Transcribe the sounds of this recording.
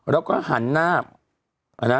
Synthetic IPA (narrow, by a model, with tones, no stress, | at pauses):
ɾɛ˦˥wka̰ː˥˩ha˩˦nːaː˥˩p̚ | ʔa̰˧˩na˦